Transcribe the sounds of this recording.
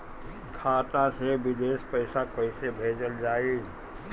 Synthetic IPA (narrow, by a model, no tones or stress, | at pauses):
kʰaːt̪ãsebɪd̪eːspəɪsakəɪsebʱeːd͡ʒəld͡ʒaːi